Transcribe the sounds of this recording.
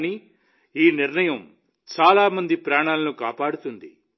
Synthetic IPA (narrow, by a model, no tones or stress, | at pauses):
ni | iːniɾɳɐjɐm | t͡ʃaːlaːmɐnd̪ipɾaːɳaːlɐnukaːpaːɽut̪und̪i